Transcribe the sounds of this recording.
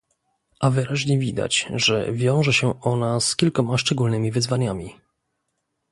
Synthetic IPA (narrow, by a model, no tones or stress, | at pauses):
ʔavɘɾaʑɲɛvʲid̪a̰t͡ɕʐɛ̰vʲjɔ̃w̃ʐɛɕɛʔɔnaskʲilkɔmaʂt͡ʂɛɡulnɘmʲivɘzvaɲamʲi